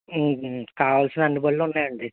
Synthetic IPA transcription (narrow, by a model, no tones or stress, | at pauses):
kaːʋaːlsinɐnːipoɭlunːaːjɐɳɖi